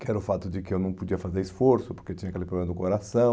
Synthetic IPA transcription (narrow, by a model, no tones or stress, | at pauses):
kɪɛɾɐʊfat̪ʊd͡ʒɪkɪewnɐ̃w̃pod͡ʒiɐfazeɾɪsfoɾsʊpoɾkett͡ʃĩɲɐakelɪpɾoblẽmɐd̪ʊkoɾasɐ̃w̃